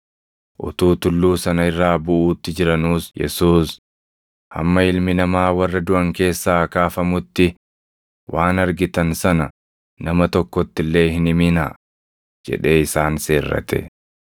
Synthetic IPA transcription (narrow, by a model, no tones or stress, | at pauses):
ʔʊ̰t̪uːt̪ʊlːuːsɐnɐɪrːaːbʊʔuːt̪ːɪd͡ʒɪɾɐnuːsjɛ̰suːs | hɐ̰mːɐɪlmɪnɐmaːwɐrːɐd̪ʊʔɐŋke̞ːsːaːkaːfɐmʊt̪ːɪ | wʔaːnɐɾɡɪt̪ɐnsɐnɐ | nɐmɐt̪ɔkːɔt̪ːɪlːe̞ːhɪnɪmɪna̰ː | d͡ʒɛ̰ᶑe̞ːɪsaːnse̞ːrːɐ̰t̪ɛ̰